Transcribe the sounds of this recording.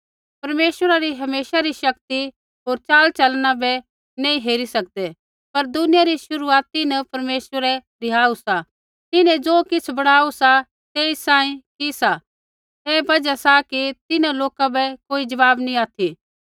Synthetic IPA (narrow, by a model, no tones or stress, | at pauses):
pɐɾmeːswəɾaɾiɦɐmeːsaɾiʃɐkt̪i | ɦoːɾt͡ʃaːlt͡ʃɐlnabɛ | nẽːĩɦeːɾisɐk̚d̪ɛ | pɐɾd̪ʊnɪjaɾiʃʊɾuaːt̪ɪnpɐɾmeːswəɾɛ | ɾɪɦaːusa | t̪ɪnɛ̃d͡zoːkɪt͡sʰbɐɽ̃aːusa | t̪eːisãːĩkisa | ɛːbɐd͡ʒasakit̪ɪnãloːkabɛkoːid͡ʒɐʋaːbnĩaːt̪ʰi